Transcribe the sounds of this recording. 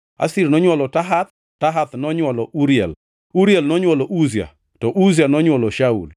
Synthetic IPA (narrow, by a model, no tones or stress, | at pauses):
a̰sirnɔɲwalɔtaɦat̪̚ | taɦat̪nɔɲwɔlɔʔuɾiɛ̰l | uɾjɛlnɔɲwɔlɔʔuzja̰ | tɔʔuzianɔɲwɔlɔʃaṵl